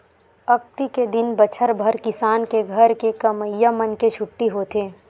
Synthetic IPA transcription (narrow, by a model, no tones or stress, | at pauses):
ɐk̚t̪iked̪ɪnbət͡ʃʰəɾbʱəɾkɪsaːnkeɡʱɐɾkekɐməjːamɐnket͡ʃʰʊʈːiɦoːt̪eː